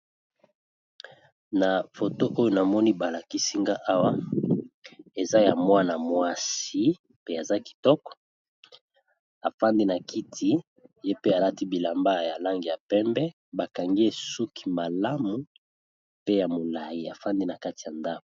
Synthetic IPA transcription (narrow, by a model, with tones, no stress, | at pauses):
na˨fo˨to˦ʔo˦jo˦na˨mɔ˦ni˦ba˨la˨ki˦si˦ŋɡa˦ʔa˦wa˦ | e˨za˦ja˨mwa˦na˨mwa˦si˦ | pe˦a˨za˦ki̥˨tɔ˦kɔ̥˨ | a˨fa˦ndi˦na˨kʰi˦tʰi˦ | je˦pe˦a˨la˦ti˦bi˨la˨mba˦˨ja˨la˦ŋɡi˨ja˨pɛ˦mbɛ˦ | ba˨ka˨ŋɡi˦e˨su˦kʰi̥˨ma˨la˦mu˦ | pe˦ja˨mo˨la˨ji˦a˨fa˦ndi˦na˨ka˦ti˨ja˨nda˦ko˨